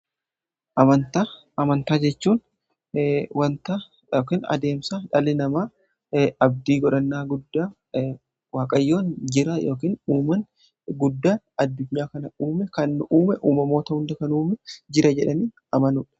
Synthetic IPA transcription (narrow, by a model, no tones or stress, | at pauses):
ʔɐmɐnt̪a | ɐmɐnt̪aːd͡ʒɛt͡ʃːuːn | wɐnt̪a | oːkiːnɐ̰d̪e̞ːmsaᶑɐlɪnɐmaː | ɐb̚d̪iːɡɔᶑɐnːaːɡʊd̪ːaː | waːkʼɐjːo̞ːnd͡ʒɪɾajo̞ːkiːnuːmɐn | ɡʊd̪ːaːnɐd̪ːʊɲːaːkɐnɐuːmɛkɐnːʔuːmɛʔuːmɐmo̞ːt̪ɐhʊnd̪ɐkɐnuːmɛd͡ʒɪɾɐd͡ʒɛᶑɐniːn | ɐmɐnuːᶑɐ̥